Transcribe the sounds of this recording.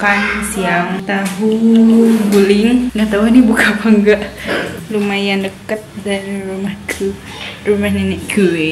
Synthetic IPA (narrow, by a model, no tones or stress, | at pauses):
kansiaŋt̪aɦu | ɡulɪŋŋɡaʔt̪aɦunibukapaŋɡaʔlumajandəkət̪̚danɾumahkʰu | rumahniniʔku